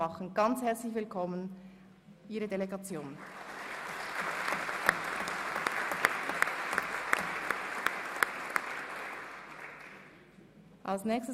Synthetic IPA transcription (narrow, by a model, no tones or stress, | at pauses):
ɑχn̩ɡɑnt͡shɛɐt͡slɪçvɪlkʰɔmən | ʔiːʁədeleɡɑt͡sjoːn | ʔalsnɛːçstə